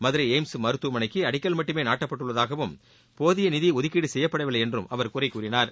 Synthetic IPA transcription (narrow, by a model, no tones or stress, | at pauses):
mɐðɯɾɐɪeːmsɯmɐɾɯt̪ːumɐnɐɪkːɯɐɽɪkːɐlmɐʈːɯmeːnaːʈːɐpːɐʈːɯɭːɐðaːɣɐʋɯm | poːðɪjɐnɪðiɔðɪkːiːɽɯsɛjːɐpːɐɽɐʋɪlɐɛndrɯmɐʋɐɾkuːrɐɪkːuːɾɪnaːɾ